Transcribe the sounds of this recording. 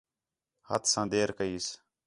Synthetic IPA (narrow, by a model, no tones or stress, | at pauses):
hət̪sãːd̪eːɾkəiːs